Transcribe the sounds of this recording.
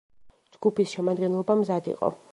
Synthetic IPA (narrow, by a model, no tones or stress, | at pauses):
d͡ʒɡupisʃɛmad̪ɡɛnlˠɔbamzad̪ḭqʼɔ̰